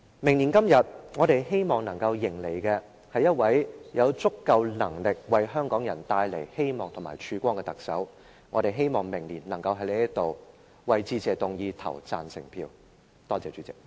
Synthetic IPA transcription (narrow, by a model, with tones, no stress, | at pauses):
mɪ˨˩ŋni˨˩nkɐ˥mjɐ˨t̚ŋɔː˨˧ɾe˨jɦe˥jmɔː˨˩ŋnɐ˨˩ŋkɐ˧wjɪ˨˩ŋle˨˩jkɛː˧ | hɐ˨jːɐ˥t̚wɐ˨˥jjɐ˨˧wt͡sʊ˥kːɐ˧wlɐ˨˩ŋlɪ˨k̚wɐ˨jɦœː˥ŋkɔː˨˥ŋjɐ˨˩nt̪aː˧jle˨˩jhe˥jmɔː˨ŋt̪ʰʊ˨˩maː˨˩t͡ʃʰyː˧kʷɔː˥ŋkɛ˧t̪ɐ˨ksɐ̰˨˥w | ŋɔ̰ː˨˧ɾe˨jɦe˥jmɔː˨ŋmɪ˨˩ŋniː˨˩nnɐ˨˩ŋkɐ˧wɦɐ˨˥jle˥jɐ˥t̪o˨w | wɐ˨jt͡siː˧t͡sɛː˨t̪ʊ˨ŋjiː˧t̪ʰɐ̰˨˩wt͡sa̰ː˨nsɪ̰˨˩ŋpʰiː˧w | t̪ɔː˥t͡sɛː˨t͡ʃyː˨˥t͡sɪ˨˩k̚